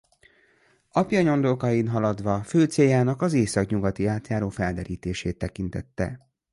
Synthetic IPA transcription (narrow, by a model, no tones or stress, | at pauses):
ɒpjɒɲo̞nd̪okɒjinɦɒlɒd̪ʋɒføːt̪seːjaːnɒkɒzeːsɒkɲuɡɒt̪iaːt̪jaːɾoːfɛld̪ɛɾiːt̪eːʃeːt̪ːɛkin̪t̪ɛt̪ːɛ̰